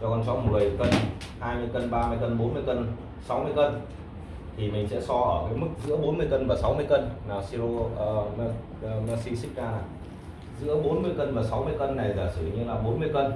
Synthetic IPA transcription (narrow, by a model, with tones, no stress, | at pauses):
t͡ɕɔ˧˩kɔ˧˩nsɔ˨˧˦m˨˩t̚mə˨˩kə˧n | haː˧jmɨ˧əjkə˧nɓaː˧mɨ˧əjkə˧nɓo˨˦nmɨ˧əjkə˧n | sa˨˦wmɨ˧əjkə˧n | t̪ʰi˨˩mï˨˩ŋ̟sɛ̰˧˥sɔ˧ʔəː˧˩kəː˨˦jmɨ˦˥k̚zɨ̰˧˥əɓo˨˦nmɨ˧əjkə˧nvaː˨˩sa˨˦wmɨ˧əjkə˧nnaː˨˩si˧loː˧˩˧ | na˧si˧sï˦˥k̚ʔaː˧naː˨˩ | zɨ̰˧˥əɓo˨˦nmɨ˧əjkə˧nvaː˨˩sa˨˦wmɨ˧əjkə˧nːa˨˩jzaː˨˩sɨ˧˩ḭ˨ɲə˧nlaː˨˩ɓo˨˦nmɨ˧əjkə˧n